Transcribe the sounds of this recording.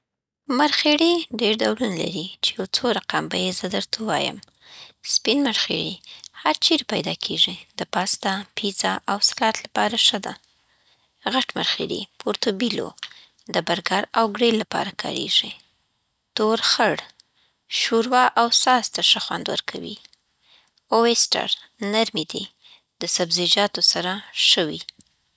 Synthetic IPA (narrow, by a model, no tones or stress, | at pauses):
maɾxeɽiɖeɾd̪awɽunla̰ɾit͡ʃejawt͡soɾaqambajezəd̪əɾt̪ʰawɑ̰jə̰m | spinmaɾxḛɽihaɾt͡ʃeɾpajd̪ɑkʰeʐid̪̥əpɑst̪apʰizaʔawsḁlɑt̪lapɑɾaʂəd̪a̰ | ɣaʈma̰ɾxḛɽḭpʰoɾt̪obilo̰ | d̪əbaɾɡaɾawɡɽelapɑ̰ɾakʰɑ̰ɾḛʐi | t̪oɾxəɽ | ʃuɾwɑʔawsɑst̪aʂəxwa̰nd̪wə̰ɾkʰawḭ | owesʈa̰ɾ | naɾmid̪i | d̪əsabzid͡ʒɑt̪osaɾaʃəwi